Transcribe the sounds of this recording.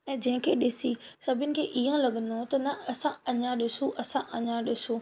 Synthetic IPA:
ɛ̃ːd͡ʑɐ̃ɦɪ̃kʰeɗɪsisɐbʱɪnɪ̆kʰeːʔiɦãlɐɠə̃nd̪ot̪ɐnɐɐsãɐɲãɗɪsoʔɐsãʔɐɲãɗɪsoː

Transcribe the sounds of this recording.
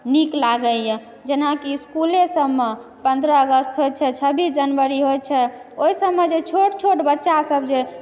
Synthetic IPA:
niklaɡəljɛ | d͡ʒenakiskulesəbːe | pənd̪ɾəːɡəst̪ɦojt̪t͡ʃʰɛt͡ʃʰəbisd͡ʒənbəɾiɦojt͡ʃʰɛoisəbːed͡ʒet͡ʃʰoʈt͡ʃʰoʈbətːʃasəbd͡ʒe

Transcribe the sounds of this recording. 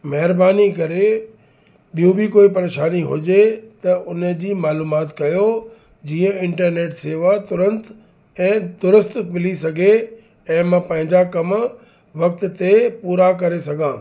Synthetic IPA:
mɐɦɪɾbaːnikɐɾe | ɓijũbɪkoːipɐɾeːʃaːniɦʊ̰d͡ʑet̪ɐʔʊnəd͡ʑiːmaːluːmaːt̪kɐjo | d͡ʑiːə̃ɪ̃ɳʈəɾneːʈseːʋat̪ʊɾə̃nt̪ | ɛ̃ːd̪ʊɾʊst̪mɪlisɐɡʱe | ɛ̃ːmãpɐ̃ɦɪ̃ɲd͡ʑakɐm | ʋɐk̚t̪t̪epuːɾak̬ɐɾesɐɡʱãː

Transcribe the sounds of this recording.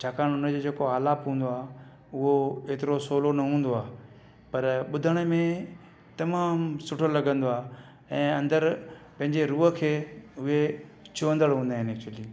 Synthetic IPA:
t͡ɕʰaːkaːɽ̃ʊnəd͡ʑoːd͡ʑeːkoaːlaːpɦũːn̆d̪oaː | ʊɦoeːt̪ɪɾosoːlonɐɦũːnd̪oaː | pɐɾɓʊd̪ʱəɽ̃ə̆mẽ | t̪ɐmaːmsʊʈʰəlɐɡə̃nd̪oaː | ɛ̃ːɐ̃nd̪əɾpɐ̃ɦɪ̃ɲd͡ʑeɾuːɦə̆kʰeːʊɦet͡ɕʰuʋə̃nd̪əɽɦũːnd̪aːɦɪneːk̚t͡ɕʊəliː

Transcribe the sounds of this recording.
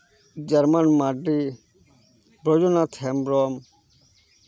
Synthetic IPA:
d͡ʒəɾmanmaɖɾi | bɾɔd͡ʒɔnat̪ʰɛmbɾɔːm

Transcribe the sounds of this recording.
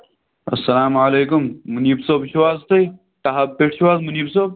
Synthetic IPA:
ɐ̰sːɐlaːmaleːkumːuniːbsoːbɕʋaːzt̪ʰɐj | ʈaɦɐbpeːʈʰʃʋaːzmuniːbsoːb̚

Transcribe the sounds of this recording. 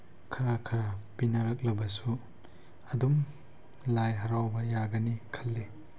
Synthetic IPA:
kʰɐɾakʰɐɾapinɐɾɐk̚lɐbɐsu | ɐdum | lajɦɐɾawbɐjaɡɐnikʰɐlːe

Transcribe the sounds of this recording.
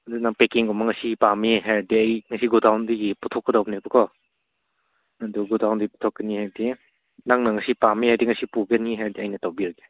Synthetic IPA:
ɐdunaŋpekiŋɡɔmɐŋɐsipameɦajɾdiɐjŋɐsiɡudʱawndiɡiputʰɔkːɐdawbnebɐkʰɔ | ɐduɡudawndiipu̥tʰɔkːɐnihajdi | naŋnɐŋɐsipamehajdiŋɐsipuɡeniɦaɾdiajnɐtawbiaɡe

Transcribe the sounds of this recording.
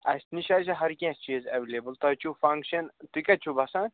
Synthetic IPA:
ɐsʲniʃaːt͡ʃɐɦɐɾkʲẽːst͡ʃizɐʋelebəlt̪ɐt͡ʃʰufɐ̃ŋkʃɐnt̪ikɐt͡ʃʰubɐsãː

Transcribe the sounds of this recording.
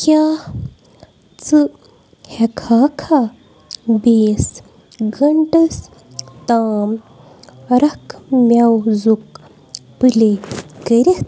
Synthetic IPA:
kja | t͡sɨ | hekʰaːkʰa | beːs | ɡəɳʈəs | t̪aːm | ɾɐkʰmʲjawzuk | pɨlekəɾit̪

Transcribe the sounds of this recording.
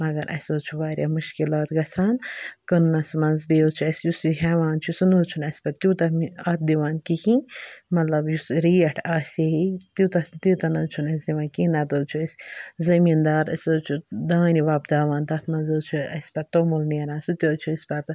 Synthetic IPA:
mɐɡɐɾʔɐ̰soːt͡ʃʰuʋaːɾʲjamuʃkilaːt̪ɡɐt͡sʰaːnkɐnːɐsmɐnzbeːot͡ʃʰuɐsjusiɦeʋaːnt͡ʃʰusunuːt͡ʃʰunɐsʲpɐt̪t̪jut̪ɐmiɐt̪̚d̪iʋaːnkikinmɐt̪lɐbjusɾiːɐʈʰaːseɦit̪iut̪ɐst̪it̪ɐnɐt͡ʃʰunɐs̬d̪iʋãːnkinad̪oːt͡ʃʰuɐsʲzɐmiːnd̪aːɾɐ̰soːt͡ʃʰud̪aːniʋaːbd̪aːʋaːnd̪ɐt̪ʰmɐnzɨt͡ʃʰuɐ̰sʲpɐt̪̚t̪oːmulneːɾaːnsut̪joːt͡ʃʰuɐsʲpɐt̪

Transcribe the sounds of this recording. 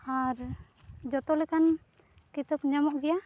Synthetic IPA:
aɾ | d͡ʒɔt̪ɔlɛkan | kit̪əp̚ɲamɔʔɡɛja

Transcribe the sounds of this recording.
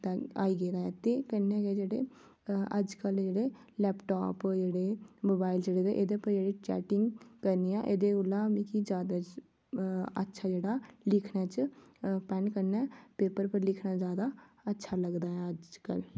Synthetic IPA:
t̪ːa̰ːiːɡeːd̪aːɦɛ̃ːt̪eːkənːɛːɡeːd͡ʒeːɽḛː | əd͡ʒkəld͡ʒeːɽeː | lɛːpʈa̰ːpd͡ʒeːɽeːmoːbaːild͡ʒeːɽeːd̪eʔeːd̪epəɾd͡ʒeːɽeːt͡ʃɛ̰ːʈɪŋɡkəɾniːã̰ːʔeːd̪eːʊlãːmĩːkid͡ʒjaːd̪at͡ʃ | ə̰tːʃʰaːd͡ʒeːɽaːlɪkʰnaːt͡ʃpɛːnkəɾnɛːpeːpəɾpəɾlɪkʰnaːzjaːd̪aːətːʃʰaːləɡd̪aːɛ̃ːəd͡ʒkə̰l

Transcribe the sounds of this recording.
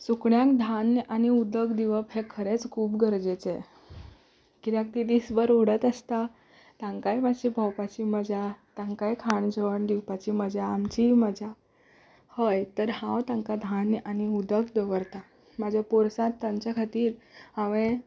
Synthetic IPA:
sukɳjãkd̪ʱanʔañiud̪əkd̪iʋəpɦẽkʰəɾet͡skʰuːpɡəɾd͡ʑet͡se | kiɾjãk̚t̪id̪isbəɾoɽət̪əst̪a | t̪ãŋkajməɕibʱəwpat͡ɕiməd͡ʑʱat̪jãŋkajkʰaɳd͡ʑəʋəɳd̪iwpat͡ɕiməd͡ʑʱaːmt͡ɕiməd͡ʑʱa | həjt̪əɾhãwt̪ãŋkad̪ʱanañiud̪əkd̪əʋəɾt̪a | mad͡ʑʱjapoɾsãt̪ːãmt͡ɕjakʰat̪iːɾaʋẽ

